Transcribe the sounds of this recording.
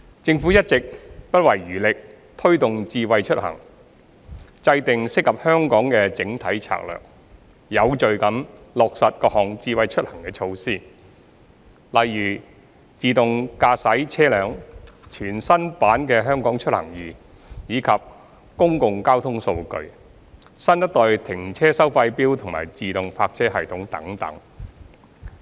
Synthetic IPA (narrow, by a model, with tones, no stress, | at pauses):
t͡sɪ˧ŋfuː˨˥jɐ˥t̚t͡sɪ˨k̚pɐ˥t̚wɐ˨˩jɥyː˨˩lɪ˨k̚ | t̪ʰɵ˥ɥt̪ʊ˨ŋt͡siː˧wɐ˨jt͡ʃʰɵ˥t̚hɐ̰˨˩ŋ | t͡sɐ˧jt̪ɪ˨ŋsɪ˥kːɐ˨p̚hœː˥ŋkɔː˨˥ŋkɛː˧t͡sɪ˨˥ŋt̪ʰɐ˨˥jt͡sʰa̰ː˧k̚lœ̰ː˨k̚ | jɐ˨˧wt͡ʃɵ˨ɥkɐ˨˥mlɔː˨k̚sɐ˨t̚kɔː˧k̚hɔː˨ŋt͡siː˧wɐ˨˧jt͡ʃʰɵ˥t̚hɐ˨˩ŋkɛː˧t͡ʃʰo˧wsiː˥˩ | lɐ˨jːyː˨˩ | t͡siː˨t̪ʊ˨ŋkaː˧sɐ˨˥jt͡sʰɛː˥lœː˨˧ŋt͡ʃʰyː˨˩nsɐ˥npaː˨˥nkɛː˧ɦœː˥ŋkɔː˨˥ŋt͡ʃʰt̚hɐ̰˨˩ŋjyː˨ | jiː˨˧kʰɐ˨p̚ | kʊ˥ŋkʊ˨˧ŋkaː˥wt̪ʰʊ˥ŋso˧wkɵ̰˧ɥ | sɐ˥ntɐ˥t̚t̪ɔː˧jt̪ʰɪ˨˩ŋt͡sʰɛː˥sɐ˥wfɐ˧jpiː˥wt̪ʰʊ˨ŋma̰ː˨˩jt͡siː˨t̪ʊ˨ŋpʰaː˧k̚t͡sʰɛː˥ɦɐ˨˩jt̪ʰʊ˨˥ŋt̪ɐ̰˨˥ŋt̪ɐ̰˨˥ŋ